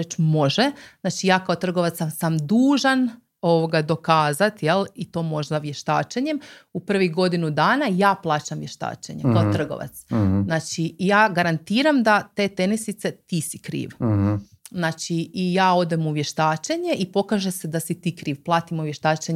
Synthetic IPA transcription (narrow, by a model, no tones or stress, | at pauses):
et͡ʃmo̞ʒenaːt͡ʃijaːkaot̪r̩ɡo̞ʋat̪sasamd̪uːʒan | o̞ʋoɡad̪o̞kaːzat̪je̞lˠit̪o̞ːmo̞ʒd̪aʋjeʃt̪a̰ːt͡ʃeɲemupr̩ʋiɡo̞d̪inud̪aːnajaːplˠaːt͡ɕamʋje̞ʃt̪a̰ːt͡ʃḛɲekaot̪r̩ɡo̰ʋa̰t̪sznaːt͡ʃijaːɡaɾant̪iːɾamd̪at̪eːt̪e̞nisit̪se̞t̪iːsikɾḭːʋ | znaːt͡ʃiːjaːo̞d̪emuʋjeʃt̪aːt͡ʃeɲe̞ipo̞kaːʒesed̪asit̪iːkɾiːʋplˠaːt̪imuʋjeʃt̪aːt͡ʃeɲ